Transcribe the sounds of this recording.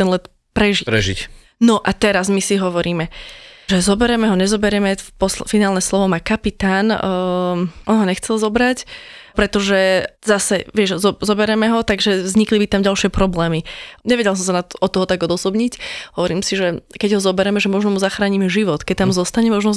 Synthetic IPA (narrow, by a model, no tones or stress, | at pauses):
t̪ɛnlɛt̪ | pɾɛʒiɾɛ̰ʒḭc | nɔʔat̪ɛɾazmisiɦɔʋɔɾiːmɛʒɛzɔbɛɾɛmɛɦɔɲɛzɔbɛɾɛmɛpɔsfinaːlnɛslɔʋɔmakapit̪aːn | ʔɔnɦɔɲɛxt͡sɛlzɔbɾacpɾɛt̪ɔʒɛzasɛʋɪɛʒzɔzɔbɛɾɛmɛɦɔt̪aɡʒɛʋzɲiklibit̪amɟalʃɪɛpɾɔblɛːmiɲɛʋɛɟɛls̬ɔms̬anat̪ɔɔt̪ːɔɦɔt̪aɡɔd̪ɔsɔbɲicɦɔʋɔɾiːmsiʒɛkɛɟɦɔzɔbɛɾɛmɛʒɛmɔʒnɔmuzaxɾaːɲimɛʒiʋɔt̪kɛc̚t̪amzɔst̪aɲɛmɔʒnɔ